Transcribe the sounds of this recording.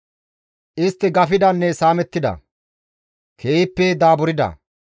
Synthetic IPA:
ʔɪst̪ːɪɡɐfɪd̪ɐnːɛsaːmɛt̪ːɪd̪ɐ̰ | kʰeːɪpːɛd̪aːbʊɾɪd̪ɐ̰

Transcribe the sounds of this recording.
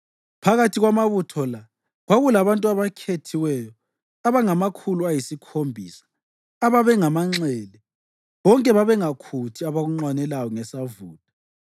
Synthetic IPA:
pʰaɣatʰiɣwamaβutʰɔla | ɣwaɣulaβantʼuaβakʰetʰiwɛjɔ | aβaŋamakʰuluajisikʰombʱiːsḁː | βaβɛŋamaŋ͡ǁɛlɛ | βɔŋkʼɛβaβɛŋakʰutʰiaβaɣuŋ͡ǁwanɛlawɔŋɛsavuːtʼḁ

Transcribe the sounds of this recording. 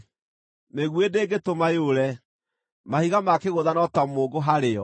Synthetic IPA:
meɣwedeɡetomajoɾɛ | mahiɣamakeɣoðanɔtamoːɡoɦaɾeɔ

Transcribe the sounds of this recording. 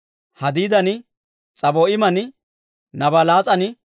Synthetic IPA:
hɐd̪iːd̪ɐnɪ | t͡sʼɐbɔɪmɐnɪ | nɐbɐlaːt͡sʼɐnɪ

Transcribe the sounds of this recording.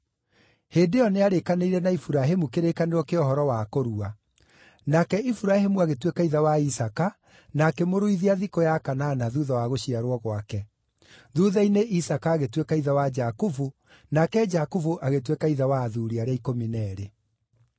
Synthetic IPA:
heːdejɔneaɾekaneiɾɛnaifuɾaɦemukeɾekaneɾɔkeɔɦɔɾɔwakoɾua | nakɛifuɾahemuaɣetwekaiðawaisaka | nakemoɾoiðiaðikojakanaːnaðuðawaɣoɕiaɾwɔɣwakɛ | ðuðaineʔisakaːɣetwekaiðawad͡ʒakovu | nakɛd͡ʒakovuʔaɣetwekaiðawaːðuɾiaɾeaikominɛɾe

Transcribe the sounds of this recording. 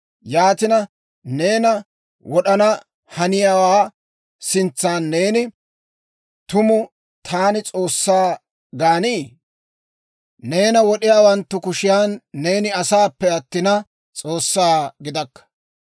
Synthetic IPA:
jaːt̪ɪnɐ | ne̞ːnɐ | wɔɗɐnɐ | hɐnɪjaːwaː | sɪnt͡sːaːnːeːnɪ | t̪ʊmʊ | t̪ʰaːnɪt͡sʼo̞ːsːaː | ɡaːniː | ne̞ːnɐwɔɗɪjaːwɐnt̪ːʊkʊʃɪjaːnːe̞ːnɪɐsaːpːɛɐt̪ːɪnɐ | t͡sʼo̞ːsːaːɡɪd̪ɐkːɐ̥

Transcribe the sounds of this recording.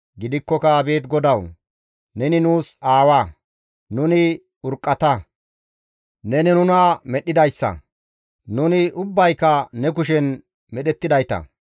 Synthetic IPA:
ɡɪd̪ɪkːɔkɐbe̞ːt̪ɡɔd̪ɐw | nɛnɪnuːsaːwa | nʊnɪ | ʊɾkʼːɐt̪ɐ | nɛnɛnʊnaːmɛɗɪd̪ɐjsːɐ̰ | nʊnɪʔʊbːɐjkːɐnɛkʊʃɛn | mɛɗɛt̪ːɪd̪ɐjt̪ɐ̰

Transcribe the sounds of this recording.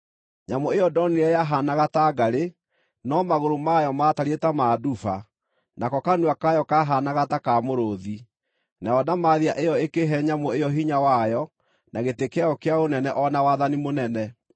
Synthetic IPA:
ɲamoejɔdɔniɾɛjaɦanaɣataːɡaɾe | nɔmaɣoɾomajɔmataɾetamaːdufa | nakɔkanuakajɔkaɦanaɣatakamoɾoði | naɔdamaðiaʔejɔekeɦɛɲamoejɔɦiɲawajɔ | naɣetekeaɔkeaonɛnɛʔɔnawaðanimonɛnɛ

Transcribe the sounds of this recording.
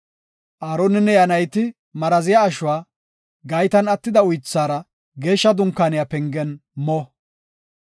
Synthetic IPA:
ʔaːɾonɪnːɛjɐnɐjt̪ɪ | mɐɾɐzɪjaːʃʊwaː | ɡɐjt̪ɐnɐt̪ːɪd̪ɐʊjt͡sːaːɾɐ | ɡe̞ːʃːɐd̪ʊŋkːaːnɪjapɛŋɡɛnmɔ

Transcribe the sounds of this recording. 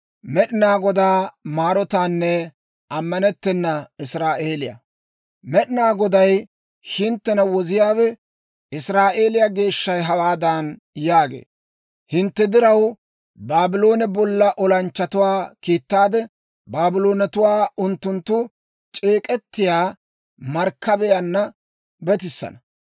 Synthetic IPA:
mɛɗɪnaːɡɔd̪aːmaːɾɔt̪aːnːɛ | ɐmːɐnɛt̪ːɛnːɐɪsɾaːʔe̞ːlɪjɐ̰ | mɛɗɪnaːɡɔd̪ɐj | hɪnt̪ːɛnɐwɔzɪjaːwɛ | ɪsɾaːʔe̞ːlɪjaɡe̞ːʃːɐjɦɐwaːd̪aːn | jaːɡḛː | hɪnt̪ːɛd̪ɪɾɐw | baːbɪlo̞ːnɛbɔlːɐʔɔlɐnt͡ʃːɐt̪ʊwaːkiːt̪ːaːd̪ɛ | baːbɪlo̞ːnɛt̪ʊwaːʊnt̪ːʊnt̪ːʊ | t͡ʃʼe̞ːkʼɛt̪ːɪjaː | mɐɾkːɐbɛjɐnːɐ | bɛt̪ɪsːɐ̰nɐ

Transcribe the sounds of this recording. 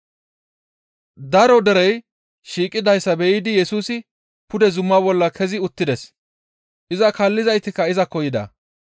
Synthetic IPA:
d̪ɐɾɔd̪ɛɾɛj | ʃiːkʼːɪd̪ɐjsːɐbɛʔiːd̪ɪjɛsuːsɪ | pʊd̪ɛzʊmːabɔlːɐkʰɛzɪʊt̪ːɪd̪ɛs | ʔɪzɐkɐlːɪzɐjt̪ɪkːɐɪzɐkɔjɪd̪ɐ̰

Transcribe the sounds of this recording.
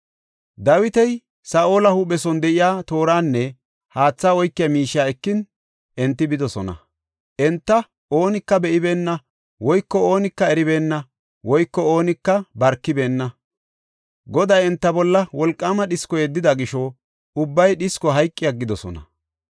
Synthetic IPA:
d̪ɐwɪt̪ɛj | saːʔo̞ːlɐhuɓɛsɔnd̪ɛʔɪjaːt̪o̞ːɾaːnːɛ | haːt͡sːaːwɔjkːɪjɐmiːʃɪjaːɛkːɪn | ʔɛnt̪ːɪbɪd̪ɔsɔnɐ̰ | ʔɛnt̪ːɐ | ʔo̞ːnɪkːɐbɛʔɪbe̞ːnːɐ | wɔjkːɔo̞ːnɪkːɐɛɾɪbeːnːɐ | wɔjkːɔoːnɪkːɐbɐɾkːɪbe̞ːnːɐ | ɡɔd̪ɐjɛnt̪ːɐbɔlːɐwɔlkʼːamɐɗɪskɔjɛd̪ːɪd̪ɐɡɪʃɔ | ʊbːɐjɗɪskɔɦɐjkʼːɪjɐɡːɪd̪ɔsɔ̰nɐ̰

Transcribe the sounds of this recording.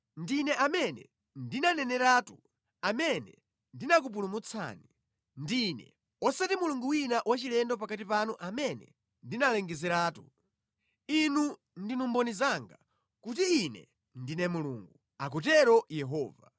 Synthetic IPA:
ndinɛʔamɛnɛ̰ | ndinanɛnɛɾaːtu | amɛnɛ̰ | ndinakupulumut͡sʰa̰ːni | ndinɛ̰ | ɔsatimuluŋɡuwinaʔwat͡ʃilɛndɔpakatipanuʔamɛnɛ̰ | ndinalɛŋɡɛzɛɾaːtu | inu | ndinumbɔnizaŋɡa | kut̬iːnɛ̰ | ndinɛmuluŋɡu | ak̬utɛɾɔjɛɦɔːva

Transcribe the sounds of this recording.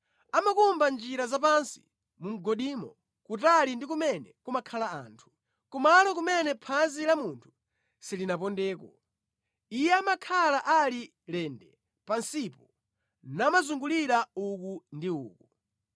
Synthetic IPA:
amakumband͡ʒiɾazapansi̥̰ | mum̩ɡɔɗiːmɔ̰ | kutalindik̬umɛnɛkumakʰalaa̰ːntʰu̥ | kumalɔk̬umɛnɛpʰanzilamuntʰu̥ | silinap̬ɔndɛːkɔ | ijɛamakʰalaʔali | lɛndɛ | pansipɔ | naːmazuŋɡuliɾaukundiuːku

